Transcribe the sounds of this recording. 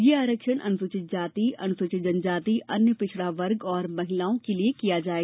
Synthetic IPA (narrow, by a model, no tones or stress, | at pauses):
jeaːɾəkʃəɽʔɐ̰nʊsʊt͡ʃɪt̪̚d͡ʒaːt̪iʔɐnʊsʊt͡ʃɪd͡ʒənd͡ʒaːt̪iʔʔɐnjəpɪt͡ʃʰɽaʋɐɾɡɔːɾmɐɦɪlaːõkeliekijad͡ʒaːeː